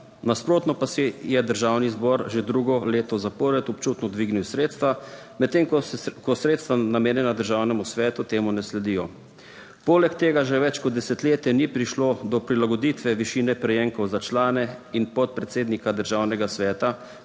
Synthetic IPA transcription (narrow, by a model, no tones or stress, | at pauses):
naspɾoːt̪nɔpasɛjɛd̪əɾʒaːwnizbɔɾʒed̪ɾuɡɔleːt̪ɔzapɔɾɛt̪ɔpt͡ʃut̪nɔd̪ʋiːɡniwsɾeːt̪st̪ʋa | mɛt̪ːeːŋkkɔsɾeːt̪st̪ʋanameːnjɛnad̪əɾʒaːwnɛmusʋɛːt̪ut̪eːmunɛslɛd̪ijɔ | poːlɛkt̪eːɡaʒɛʋɛt͡ʃkɔd̪̚d̪ɛsɛt̪leːt̪jɛnipɾiʃlod̪ɔpɾilaɡɔd̪iːt̪ʋɛʋiʃiːnɛpɾɛjeŋkɔwzat͡ʃlaːnɛinpɔt̪̚pɾɛt̪seːd̪nikad̪əɾʒawnɛɡasʋɛːt̪a